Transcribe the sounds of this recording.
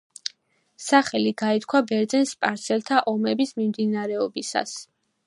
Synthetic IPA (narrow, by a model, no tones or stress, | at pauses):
saχɛliɡait̪̚kʰwabɛɾd̪zɛnspʼaɾt̪sʰɛlt̪ʰaʔɔmɛbismimd̪inaɾɛɔbisa̰s